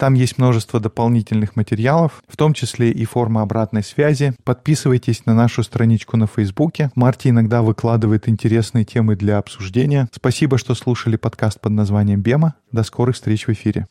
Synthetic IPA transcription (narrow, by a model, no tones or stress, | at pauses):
t̪amjesʲtʲmno̞ʐɨst̪vəd̪əpɐlˠnʲitʲɪlʲnɨxmətʲɪɾʲɪalˠəfːt̪o̞mt͡ɕɪsʲlʲeʔifo̞rməɐbɾat̪nəjsvʲæzʲɪpɐt̪̚pʲisɨvəjtʲɪsʲnɐnaʂʊst̪ɾɐnʲit͡ɕkʊnəfəjzbukʲɪmartʲɪɪnɐɡd̪avɨklˠad̪ɨvəjɪt̪ɪnʲtʲɪɾʲe̞snɨjətʲʰe̞mɨd̪lʲɐɐpsʊʐdʲenʲɪjəspɐsʲibəʂt̪o̞slˠuʂəlʲɪpɐt̪kast̪̚pəd̪nɐzvanʲɪjəmbʲemə | d̪ɐsko̞ɾɨxst̪ɾʲet͡ɕvɨfʲiɾʲɪ̰